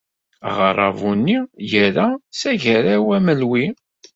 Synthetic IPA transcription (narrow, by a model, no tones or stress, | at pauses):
ʁɾˤɑ̰vunːijəɾæsæʝəɾæwæməlwi